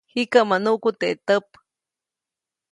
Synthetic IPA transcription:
hikaʔmanuʔkut̪eʔt̪əp

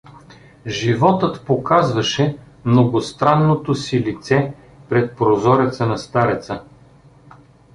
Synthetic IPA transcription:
ʒivɔt̪ɤt̪pokazvɐʃɛ | mnoɡost̪ɾanːot̪osilit̪sɛ | pɾɛt̪̚pɾozɔɾɛt̪sənɐst̪aɾɛt̪sə

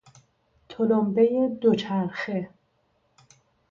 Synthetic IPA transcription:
t̪ʰolombejed̪ot͡ʃʰæɾxe

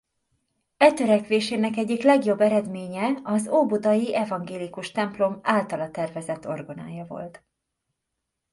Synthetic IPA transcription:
ɛt̪øɾɛkʋeːʃeːnɛkɛɟːiklɛɡjo̞bːɛɾɛd̪meːɲɛɒzoːbod̪ɒjiʔɛvɒŋɡeːlikuʃt̪ɛmplo̞maːlt̪ɒlɒt̪ɛrvɛzɛt̪ːo̞̰rɡo̞na̰ːjɒvo̞̰lt̪

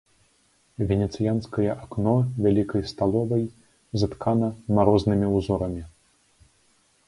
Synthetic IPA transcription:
vʲɛnʲɛt̪sɨjanskɐjɐʔaknɔvʲalʲikɐjst̪alˠɔvɐj | zɐt̪kʰanɐmaɾɔznɨmʲiwzɔɾɐmʲi

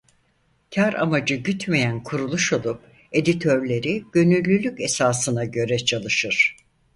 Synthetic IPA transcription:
cʰaɾʔa̰mad͡ʒɯɟyt̪mejænkʰuɾulˠuʃo̞lˠup̚ | e̞d̪it̪ʰø̞ɾlʲe̞ɾiɟ̥ø̞nylʲːylʲyce̞saːsɯnaɟø̞ɾɛt͡ʃʰalˠɯʃɯɾ̥

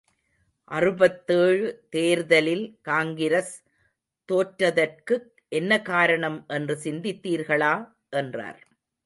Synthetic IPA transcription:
ʔɐrɯbɐt̪ːeːɻɯt̪eːɾðɐlɪlkaːŋɡɪɾɐs | t̪oːʈɾɐðɐrkɯ | ʔɛnːɐkaːɾɐɳɐmʔɛndrɯsɪnd̪ɪt̪ːiːɾɣɐɭaː | ʔɛndra̰ːɾ

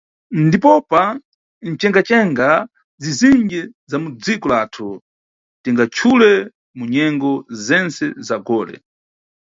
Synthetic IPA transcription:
ndipɔpa | n̩t͡ʃɛŋɡat͡ʃɛŋɡa | ziziŋɡɛzamud͡zikɔlaːtʰu | tɛŋɡat͡ʃʰulɛ | muɲɛŋɡɔzɛnt͡sɛzaɡɔːlɛ̰

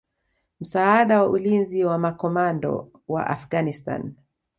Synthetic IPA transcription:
m̩saaɗawaʔulinziwamakɔmandɔ̰ | wa̰ʔa̰fɡanista̰n

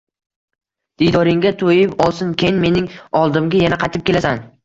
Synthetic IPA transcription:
d̪̥ejd̪ɒɾɪŋɡʲat̪ʰojɪpɒlˠsɪnkʲʰejnme̞nɪŋɒlˠd̪ɪmɡʲajanaqʰɑjt̪ɪp̚kʲe̞lasan

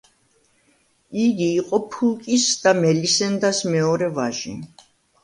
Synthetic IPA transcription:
iɡiːqʼɔpʰulkʼisd̪amɛlisɛnd̪asmɛɔɾɛva̰ʒḭ

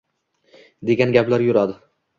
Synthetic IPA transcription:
d̪e̞ɡʲanɡʲaplaɾjʊɾad̪ɪ

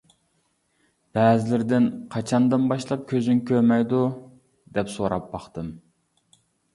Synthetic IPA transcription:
b̥ɛːzɪlɪɾd̪ɪnqʰɑt͡ʃʰɑnd̪ɨnbɑʃlˠɑp̚kʲʰøzyŋkʲʰøɾmɛjd̪u | d̪ɛpsoɾɑ̰p̚bɑχt̪ɨm

